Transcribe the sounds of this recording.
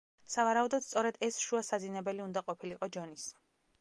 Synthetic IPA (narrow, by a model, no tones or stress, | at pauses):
savaɾaud̪ɔd̪st̪sʼɔɾɛd̪ɛsʃuasazinɛbɛliund̪aqʼɔpʰiliqʼɔd͡ʒɔnis